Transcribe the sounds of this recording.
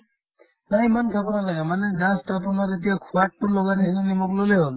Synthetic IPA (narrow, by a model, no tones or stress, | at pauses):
naimankʰabɔnalaɡɛmanɛɡãstapunaɾetijakʰuaʈ̚pʊɹlɔɡanisʰinanimɔkloleɦol